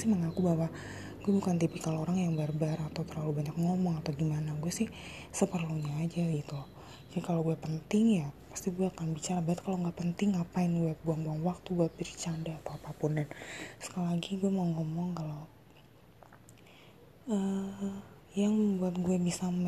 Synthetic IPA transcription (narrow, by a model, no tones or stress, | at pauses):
sɪhməŋakubawa | ɡ̥uɛbukant̪ipikalooɾaŋjaŋbaarbaɾat̪awt̪ərlalubaɲak̚ŋɔmɔŋat̪awɡimanaɡuɛsɪhsəpərluɲaːd͡ʒaɡit̪u | d͡ʒkaloɡuɛpənt̪ɪŋjapḁst̪iɡuɛakanbit͡ʃaɾabat̪̚kaloŋɡapənt̪ɪŋapaɪnɡuɛbuaŋbuaŋwak̚t̪uɡuɛbiɾt͡ʃandaːt̪awapapʊndansə̥kallaɡiɡuɛmaŋɔmɔŋkalow | ə | jaŋbuat̪̚ɡuɛbisa